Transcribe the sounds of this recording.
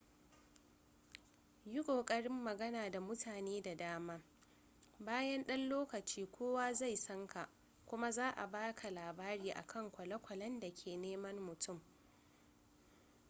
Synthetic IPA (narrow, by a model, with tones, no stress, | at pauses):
jʊ˦kʷʼoː˨kʼɐ˦ɽɪ˦mːɐ˨ɡɐ˦naː˨da˨mʊ˦tʰaː˨neː˦da˨daː˦maː˦ | baː˦jɐ˦nɗɐ˦nloː˦kɐ˨t͡ʃiː˦kʷʰoː˦waː˦za˦˨jsɐ˦ŋkʰa˨ʔ | kʷʊ˦ma˦zaː˦ʔa̰˨baː˦kʰa˨laː˨baː˦ɾiː˦ʔa̰˨kʰɐ˦˨ŋkʷɐ˨lɐ˦kʷɐ˨lɐ˦nda˨kʲʰeː˨neː˦mɐ˦mmʊ˨tʊ˦˨m